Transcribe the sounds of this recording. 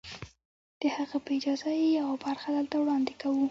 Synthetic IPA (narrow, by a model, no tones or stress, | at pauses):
d̪̥əhaɣapəɪd͡ʒɑzajejawabaɾxad̪əlt̪awɽɑnd̪ɪkawu